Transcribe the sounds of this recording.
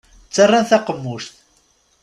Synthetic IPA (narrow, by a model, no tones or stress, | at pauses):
t͡sːərˤːanθaqəmːuʃt̪